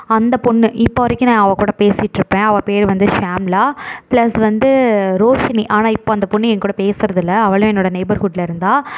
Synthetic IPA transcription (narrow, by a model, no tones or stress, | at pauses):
ɐnd̪ɐpʊɳːɯʔɪpːoːʋɐɾɪkʲːɯnãɐʋɐ̃kuːɽɐpeːsjɪʈːɾɯpːẽːɐʋɐ̃peːɾʋɐnd̪ɯʂaːmlaːpɭɐsʋɐnd̪ɯɾoːʂɐniʔaːnaːɪpːoːɐnd̪ɐpʊɳːɯɛŋkuːɽɐpeːsɪɾɐðɪlːɐɐʋɐɭɯ̃ɛnːoːɽɐnɐɪbɐɾɦuːʈɪlɐɪɾɯnd̪aː